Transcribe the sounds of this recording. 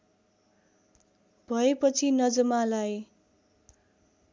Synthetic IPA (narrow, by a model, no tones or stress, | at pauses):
bʱʌepʌt͡sʰinʌd͡zʌmalaj